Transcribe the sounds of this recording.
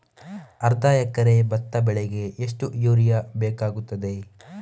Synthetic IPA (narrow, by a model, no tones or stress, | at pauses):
ɐɾd̪aːjɐkɐɾebɐt̪ːɐbɛɭeɡe̞eʂʈujuːɾijɐbɛːkaːɡut̪ːɐd̪e̞